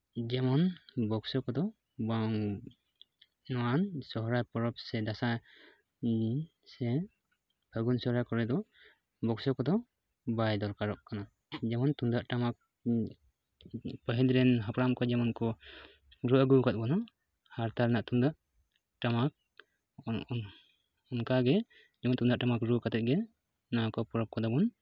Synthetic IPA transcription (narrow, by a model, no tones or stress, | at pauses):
d͡ʒɛmɔnbɔksɔkɔd̪ɔ | baŋ | nɔansɔɦɔɾajpɔɾɔp̚sɛd̪asa | sɛ | pʰəɡunsɔhɾajkɔɾɛd̪ɔ | bɔksɔkɔd̪ɔ | bajd̪ɔɾkaɾɔʔkana | d͡ʒɛmɔnt̪und̪aʔʈamak̚ | pəɦilɾɛnɦapɾamkɔd͡ʒɛmɔnkɔ | ɾuʔəɡukat̪̚ˀbɔnɔ | haɾt̪aɾnaʔt̪und̪aʔ | ʈamak̚ | ɔnkaɡɛ | d͡ʒɛmɔnt̪und̪aʔʈamakɾukat̪ɛt̪̚ɡɛ | nakɔpɔɾɔp̚kɔd̪ɔbɔn